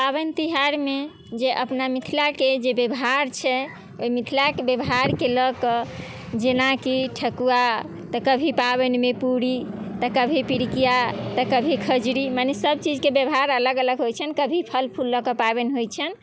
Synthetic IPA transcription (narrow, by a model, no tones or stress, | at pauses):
paβənt̪iɦaɾme | d͡ʒeʔəpnamit̪ʰilaked͡ʒebebɦaɾt͡ʃʰɛ | oimit̪ʰilakebebɦaɾkeləkɔ | d͡ʒenakiʈʰəkua | t̪əkəbʱipabɛnmepuɽit̪əkəbʱipiɾikijat̪əkəbʱikʰəd͡ʒɾimanesəb̚t͡ʃid͡ʒkebəbɦaɾələɡələɡɦojt͡ʃʰənkəbʱipʰəlpʰulːəkəpabɛnɦojt͡ʃʰən